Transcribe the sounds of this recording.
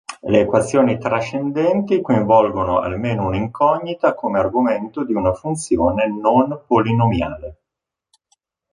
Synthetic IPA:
leːkwat̪sːjoːnit̪ɾat͡ʃːend̪ɛnt̪ikoĩɱvɔlɡonoa̰lmeːnouniŋkʰɔɲːit̪akomearɡoment̪od̪iunafunt̪sjoːnenonpolinomja̰ːle

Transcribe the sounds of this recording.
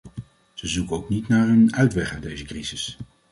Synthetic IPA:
z̥əzukəowknitnaːɹɦənœɥtʋɛχadejzəkrizɪs

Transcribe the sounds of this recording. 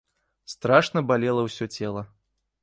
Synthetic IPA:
st̪ɾaʂnɐbalʲɛlˠɐwsʲɔt͡sʲɛlˠɐ

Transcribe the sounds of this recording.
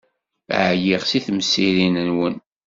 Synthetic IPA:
ʕjiʁsiθmsːiɾinənwən

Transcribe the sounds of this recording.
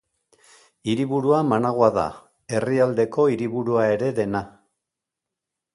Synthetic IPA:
iɾiβuɾuamanaɣ̞oaða̰ | e̞riald̪e̞ko̞iɾiβuɾuae̞ɾe̞ðe̞na

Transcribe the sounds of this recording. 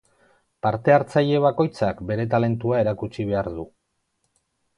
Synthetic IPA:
paɾt̪e̞aɾt͡saje̞βako̞jt͡sakbe̞ɾe̞t̪ale̞nt̪uae̞ɾakut͡ʃiβ̞e̞aɾðu

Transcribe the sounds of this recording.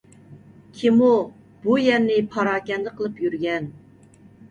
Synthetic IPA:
kʲʰimu | b̥ujɛɾnnːɪpʰɑɾɑːkʲɛnd̪ɪqʰəlˠɨpjyɾɡʲɛn

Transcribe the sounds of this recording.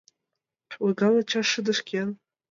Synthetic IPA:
ħwiɡalat͡ʃʰaʂɨdɨʂkʲen

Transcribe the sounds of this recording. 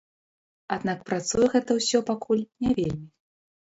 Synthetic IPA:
ad̪nak̚pɾat̪sujɛɣɛt̪ɐwsʲɔpakʰulʲnʲavʲelʲmʲi

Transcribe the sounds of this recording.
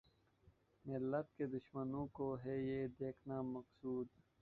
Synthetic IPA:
mɪlːət̪̚ked̪ʊʃmənõːkoɦeːjed̪eːkʰnaːmɐqsuːd̪

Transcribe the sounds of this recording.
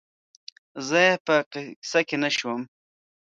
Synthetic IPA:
zəjepəqɪsakenaʃwəm

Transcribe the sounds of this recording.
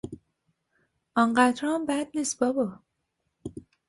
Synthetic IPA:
ʔɒnɢæd̪ɾɒmbæd̪̚niːs̚bɒbɒ

